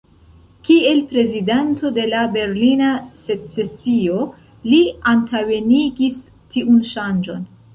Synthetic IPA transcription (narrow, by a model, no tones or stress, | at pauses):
kie̞lpɾe̞zidantʰo̞de̞labe̞ɾlinase̞t͡se̞sio̞ | liantawe̞niɡis | tiʔunʃand͡ʒo̞n